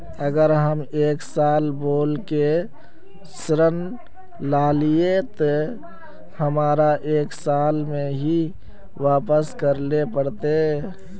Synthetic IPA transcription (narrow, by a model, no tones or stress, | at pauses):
əɡəɾɦəmeːksaːlboːlke | sɾən | laːliet̪ɔ | həmaːɾaʔeːksaːlmẽɦi | ʋaːpəskəɾlepəɽt̪e